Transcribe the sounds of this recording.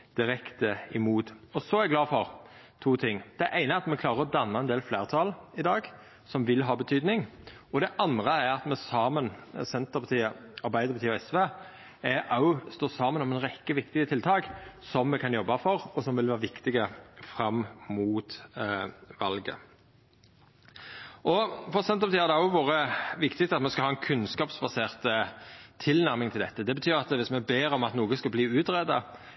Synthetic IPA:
d̪̥ɪɾɛkt̪əɪmuːt̪ɔsɔæɾɡlɑːfɔʁt̪ʰuːt̪ʰɪŋːd̪̥ɛʔæɪnəɑt̪mɛkʰlɑːʁəɾɔd̪ɑnːɑɛnd̪eːlfleːʁt̪ʰɑlɪd̪ɑːɡ | sɔmʋɪlɦɑːbət̪ʰyːd̪nɪŋ | ɔd̪ɛʔɑnd̪ɾəæɾɑt̪mɛsɑːmənsɛnt̪əpʰɑt̪ʰiːəɑɾbæɪd̪əɾpɑt̪ʰiːɛsʋeː | æɾʔɑʊst̪oːsɑːmənɔmɛnɾɛkːəʋɪkt̪ɪɡət̪ʰɪlt̪ʰɑːksɔmːɛkʰɑnjɔbːɑfɔɾɔsɔmʋɪlʋæːɾʋɪkt̪ɪɡəfɾɑmmuːt̪ | ʋɑlɡə̰ | ʔɔfɔʁsɛnt̪əʁpɑt̪iːhɑd̪ɛɑʊʋoːʁəʋɪkt̪ɪɡt̪ʰɑt̪mɛskɑhɑːɛnkʰʉnskɑːpsbɑseːʁt̪ət̪ʰɪlnæʁmɪŋt̪ʰɪld̪ɛt̪ːəd̪ɛbət̪ʰyːʁɑt̪ʋɪsmɛbeːɾɔmɑt̪nuːɡəskɑbliːʉːt̪ʁɛd̪ɑ̰

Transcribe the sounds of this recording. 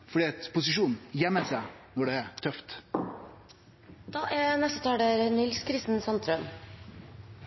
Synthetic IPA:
fɔɖiɑt̪pʰʊsɪʂuːnjɛməsænɔɖɛæɾt̪ʰœft̪ | d̪̥ɑːʔæɾnɛst̪ət̪ʰɑːɖeɾənɪlskʰɾɪst̪n̩sɑnt̪ʰɾœn

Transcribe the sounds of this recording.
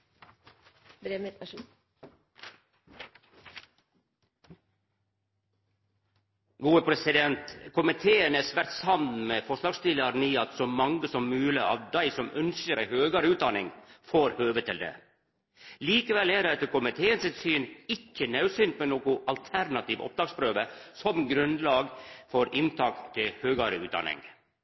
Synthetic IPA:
bɾe | ɡuːəpʰɾɛsɪd̪ɛnt̪kʰʊmɪt̪ʰeːənæːsʋæɾt̪shɑnd̪n̩meːfɔʂlɑːɡst̪ɪləɾniːɑt̪soːmɑŋɡəsɔmmʉːləɑ̰ːʋd̪æɪsɔmʔœnskəɾæhøːɡəɾəʉːt̪̚d̪ɑnɪ̰ŋfoːɾhøːʋət̪ʰɪld̪ḛː | liːkəʋɛlæːɾɛt̪əkʊmɪt̪ʰeːənsɪt̪syːnɪcːənɑʉsɪnt̪mɛnoːkʊʔɑlt̪ʰæɾnɑt̪iːʋʔɔ̰p̚d̪ɑːɡspɾøːʋəsɔmɡɾʉnd̪lɑːɡfɔɾɪnt̪ʰɑːkt̪ʰɪlhøːɡɑɾəʉːt̪̚d̪ɑ̰nɪ̰ŋ

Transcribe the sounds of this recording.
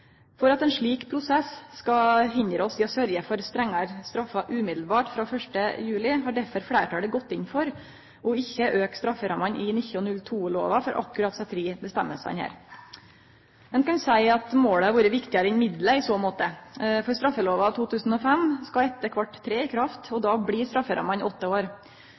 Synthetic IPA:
fɔɾɑt̪ɛnʂɭiːkpʰɾʊsɛsskɑɦɪnd̪ɾəɔsɪɔsœɾjəfɔɾst̪ɾɛŋːɑɾst̪ɾɑfːɑʔʉːmɪd̪l̩bɑːʈfɾɑfœʂʈəjʉːlɪɦɑːɖæɾfɔɾfɽæːʈʰɑːɖəɡɔt̪ːɪnfɔɾ | ɔɪçːəʔøːkst̪ɾɑfːəɾɑmɑnʔɪnɪçɔnnːʉlt̪ʰuːlo̰ːʋɑfɔɾʔɑ̰kːʉɾɑt̪sɑt̪ɾiːbəst̪ɛmːəsæ̰nhæ̰ːɾ | mɛnkɑnsæɪɑt̪moːɽəhɑɾʋuːɾəʋɪkt̪ɪɑɾəɪnmɪd̪ləɪsoːmoːt̪əfɔɾst̪ɾɑfːəloːʋɑɑʋt̪ʰuːt̪ʰʉːsn̩ɔfɛmskɑɛt̪ːəkʰʋɑʈːt̪ʰːɾeːɪkʰɾɑft̪ɔd̪ɑːbɽiːst̪ɾɑfːəɾʔɑ̰mɑnɪ̰ɔt̪ːəoːɾ

